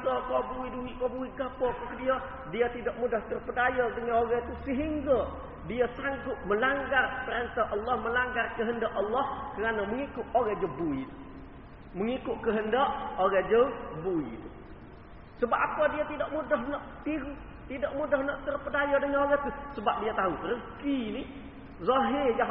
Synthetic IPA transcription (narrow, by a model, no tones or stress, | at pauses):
t̪akobuiduiʔkobuikapɔkkədia | diət̪idaʔmudaht̪ərpədajɔdəŋanoɾɛt̪usəɦiŋɡa | diəsaŋɡʊt̪̚məlaŋɡarpəɾənt̪ahʔɑlːɔhməlaŋɡarkəɦəndaʔʔəlːɔhkəɾanaməŋikʊʔoɣɛd͡ʒəbuit̪u | məŋikʊʔkəɦəndəʔoɾɛd͡ʒəbuit̪u | səbap̚apadiat̪idaʔmudaɦnaʔt̪iɾu | t̪idaʔmudahnaʔt̪ərpədajədəŋanoɣəht̪usəbap̚diat̪aɦurəkini | zɔɦɪja